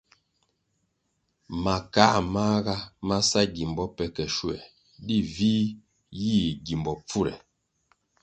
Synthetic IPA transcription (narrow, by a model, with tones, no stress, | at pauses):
ma˨kaː˦maː˦ɣa˦ma˦sa˦ɡi˨mbɔ˦pɛ˨kɛ˨ʃu˦ɛ̰˨ | di˦viː˦ | ji˦˨ɡi˨mbɔ˨p͡fu˦ɾɛ̰˨